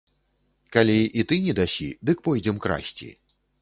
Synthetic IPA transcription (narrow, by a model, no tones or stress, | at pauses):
kalʲiʔit̪ɨnʲɛd̪asʲid̪ɨk̚pɔjd͡zʲɛmkɾa̰sʲt͡sʲḭ